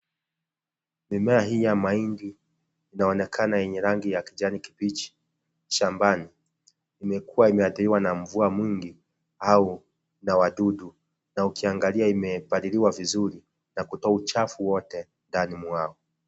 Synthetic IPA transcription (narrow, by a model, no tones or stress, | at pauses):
mimɛaɦijamaindiː | naɔnɛkʰanajɛɲɛɾaŋɡijakiʄaniki̥pit͡ʃi̥ | ʃambaniː | mɛkuwaimɛaθiɾiwanaɱvuamwiŋɡi | au | nawaɗuɗu | naukiaŋɡaliaimɛpaɾiliwavizuɾi | nakutɔaut͡ʃafuwɔtɛ | ndanimwaɔ